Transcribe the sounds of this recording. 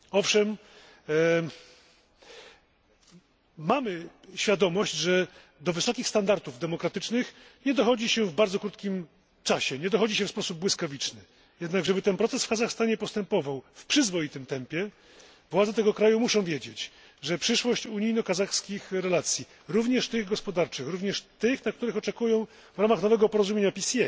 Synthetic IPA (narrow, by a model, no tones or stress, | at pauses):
ɔfʂɛm | amɘɕfʲjad̪ɔmɔɕd͡ʑʐɛ | d̪ɔvɘsɔkʲixst̪and̪aɾt̪uvd̪ɛmɔkɾat̪ɘt͡ʂnɘxɲɛd̪ɔxɔd͡ʑiɕɛvbaɾdzɔkɾut̪̚kʲim | t͡ʂaɕɛɲɛd̪ɔxɔd͡ʑiɕɛfspɔsub̚bwɘskavʲit͡ʂnɘ | jɛd̪naɡʐɛbɘt̪ɛnpɾɔt̪sɛsfkazaxst̪aɲɛpɔst̪ɛmpɔvawfpʂɘzvɔjit̪ɘmt̪ɛmpʲjɛ | vwad̪zɛt̪ɛɡɔkɾajumuʂɔ̃w̃vʲjed͡ʑet͡ɕ | ʐɛpʂɘʂwɔɕt͡ɕuɲijnɔkazaxskʲixɾɛlat̪sʲji | ɾuvɲɛʂt̪ɘɣɡɔspɔd̪aɾt͡ʂɘxɾuvɲɛʂt̪ɘxnak̚t̪uɾɘxɔt͡ʂɛkujɔ̃w̃ | vɾamaxnɔvɛɡɔpɔɾɔzumʲjeɲapʲisʲɛ